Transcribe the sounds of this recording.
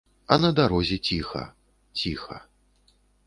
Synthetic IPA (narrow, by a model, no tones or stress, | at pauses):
ɐnɐd̪aɾɔzʲɛt͡sʲixɐ̰ | t͡sʲixɐ̰